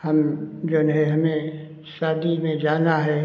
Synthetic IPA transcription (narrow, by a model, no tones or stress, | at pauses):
hɐmd͡ʒoːnɦẽɦɐmẽ | ʃaːd̪imẽd͡ʒaːnaɦɛː